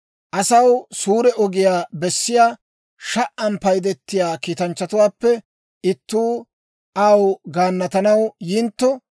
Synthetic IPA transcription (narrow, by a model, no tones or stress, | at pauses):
ʔɐsɐwsuːɾɛʔɔɡɪjaːbɛsːɪjaː | ʃɐʔʔɐmpɐjd̪ɛt̪ːɪjaːkiːt̪ɐnt͡ʃːɐt̪ʊwaːpːɛ | ʔɪt̪ːuː | ʔɐwɡaːnːɐt̪ɐnɐwjɪnt̪ːɔ